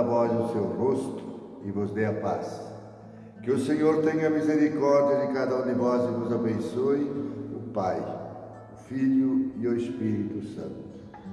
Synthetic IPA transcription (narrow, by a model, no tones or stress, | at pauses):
ɐvɔzʊsewrost̪ʊ | ɪvʊzd̪eɐpas | kɪʊsẽɲoɾt̪ẽɲɐmizeɾikɔɾd͡ʒiɐd͡ʒɪkad̪ɐũd̪ɪvɔzɪvʊzabẽsoɪʊpaj | ʊfiʎʊɪʊespiɾit̪ʊsɐ̰̃nt̪ʊ̥